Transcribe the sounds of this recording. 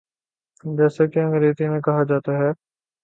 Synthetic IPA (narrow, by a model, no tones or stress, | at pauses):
d͡ʒɛːsakiɐ̃ŋɡəɾeːt̪imẽkɐɦad͡ʒaːt̪aɦɛː